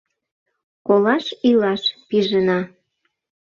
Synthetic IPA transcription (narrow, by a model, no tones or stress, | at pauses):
kolɑʃilɑʃpiʒənɑ